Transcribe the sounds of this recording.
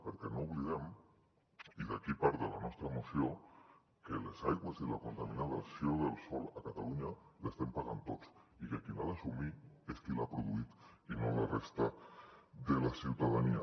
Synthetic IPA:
peɾkɛnouβlið̞em | iðakipaɾðelanɔst̪ɾamosjo | kelesajɣwezilakont̪aminaðsjoðelˠsɔlakat̪aluɲalest̪empaɣant̪ot͡sikeakinaðasumiesk̪ilapɾoðuit̪inolarest̪a | ðelasiwt̪aðania

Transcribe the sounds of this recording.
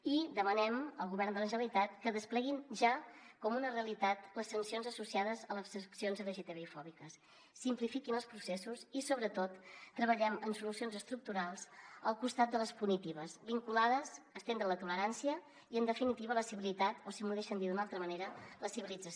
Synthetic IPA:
id̪əmənɛməlˠɣuβɛɾnd̪ələʒəβəlit̪at̪̚kəðəsplɛɣinʒakɔmunəreəlit̪at̪ləsːənsionzəsusiaðəzələsəksionzəɾəʒit̪eβeifɔβikəsː | implifikinəlˠspɾusɛsusisoβɾət̪ot̪ːɾəβəʎɛmənsulusionzəst̪ɾuk̚t̪uɾalˠzəlˠkust̪at̪̚d̪ələspunit̪iβəzbiŋkulaðəzəst̪end̪ɾənlət̪uləɾansiə | iənd̪əfinit̪iβələsiβilit̪at̪osimuðeʃənd̪iðunalˠt̪ɾəməneɾələsiβilid͡zə

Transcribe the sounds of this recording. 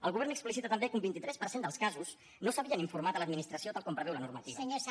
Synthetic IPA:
əlˠɣuβɛɾnəksplisit̪ət̪əmbekumbint̪it̪ɾɛspəɾrsend̪əlˠskazus | nosəβiəniɱfuɾmat̪ələd̪minist̪ɾəsiot̪alˠkɔmpɾəβɛwlənurmət̪iβaɲo

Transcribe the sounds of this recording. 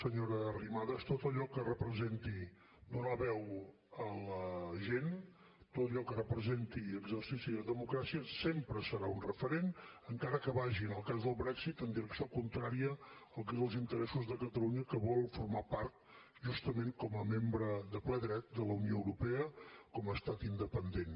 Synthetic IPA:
səɲoɾəːrimaðəst̪ot̪əʎɔkərəpɾəzent̪i | d̪unəβɛw | ələʒen | t̪ot̪əʎɔkərəpɾəzent̪iəɡzəɾsisiːləðəmukɾasiəsempɾəsəɾaunrəfəɾenəŋkaɾəkəβaʒinəlˠkazðəlˠβɾɛksit̪ənd̪iɾəksiokunt̪ɾaɾiəəlˠk̬ɛzəlˠzint̪əɾɛsuzðəkət̪əluɲəkəβɔlˠfuɾmapaɾt̪ | ʒust̪əmeŋkɔməmembɾəðəplɛðɾɛt̪̚d̪ələunioəwɾupɛəkɔməːst̪at̪ind̪əpənd̪en

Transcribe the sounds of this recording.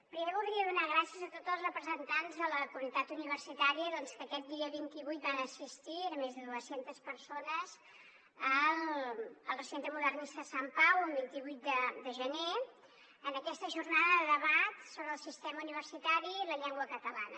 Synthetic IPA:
pɾimeβulˠd̪ɾiəðunaɣɾasiəzət̪ot̪zəlˠzrəpɾəzənt̪anzðələkuənit̪at̪uniβ̞ərsit̪aɾiəðɔnskəkɛt̪̚d̪iəβint̪iβujt̪̚banəsist̪iənmezðəðuəsent̪əspəɾsonəz | ələlˠrəsent̪ɾəmuðərnist̪əsampawəlˠβint̪iβujt̪̚d̪əd̪əʒəne | ənəkɛst̪əʒurnaðəðəðəβat̪soβɾəːlˠsist̪ɛməuniβ̞ərsit̪aɾiləʎɛŋɡwəkət̪əla̰nə̰

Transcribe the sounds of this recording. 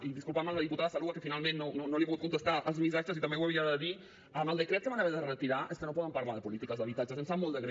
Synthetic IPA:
iðiskulpaɾmalaðiput̪aðasaluɣakefinalmẽnːononolipoɣut̪̚kunt̪est̪aəlzmis̬at͡ʃosit̪amewaβɾiaðeði | aməld̪ekɾɛt̪k̪eβanaβeɾðeret̪iɾaʔeskenopɔðampaɾmalðepolit̪ikazðaβit̪at͡ʃasensamold̪eɣɾ

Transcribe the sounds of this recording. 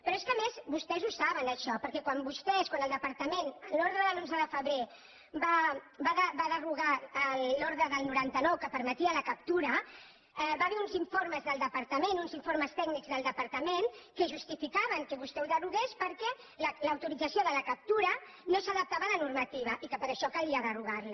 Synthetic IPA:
pɾɔeskəmezbust̪ɛzusaβənəʃɔpəɾkɛkwambust̪ɛskwanəlˠd̪əpəɾt̪əmenəloɾðɾəðəlonzəðəfəβɾe | ba | baðəbaðəruɣaːlːoɾðɾəðəlˠnuɾant̪ənɔwkəpəɾmət̪iələkəp̚t̪uɾə | ɛbaβɛɾunziɱfoɾməzðəlˠd̪əpəɾt̪əmenunziɱfoɾməst̪ɛɡnikzðəlˠd̪əpəɾt̪əmenkəʒust̪ifikaβəŋkəβust̪ɛwuðəruɣespəɾkɛ | lələwt̪uɾid͡zəsioðələkəp̚t̪uɾə | nosəðəp̚t̪aβəðənuɾmət̪iβ̞əʔikəpəɾəʃɔkaliəðəruɣaɾli

